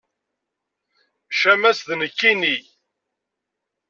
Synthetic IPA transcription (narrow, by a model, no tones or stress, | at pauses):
ʃæmæsðnəkːini